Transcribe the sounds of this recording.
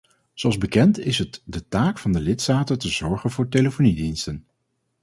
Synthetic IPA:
zoɑlˠzbəkɛntɪsɦətdətaːkfɑndəlɪtstaːtətəzɔɹχənvʊːɹteləfonidinstən

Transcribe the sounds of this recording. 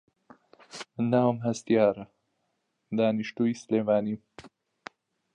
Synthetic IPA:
namɦast̪jɑːɾa | d̪ɑːniʃʈujslemɑːnim

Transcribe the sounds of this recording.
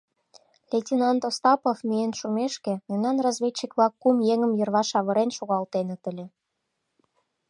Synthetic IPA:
lʲetʲinɑnt̪ost̪ɑpofmijenʃumeʃkĕmunɑnrɑzβʲet͡ɕːikβlɑkːumjeŋə̆mjərβɑʃɑβə̆ɾenʃoɣɑlt̪enə̆t̪ə̆lʲĕ

